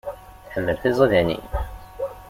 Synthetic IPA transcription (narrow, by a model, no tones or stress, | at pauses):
θħəmːəlθizˤəðænḭ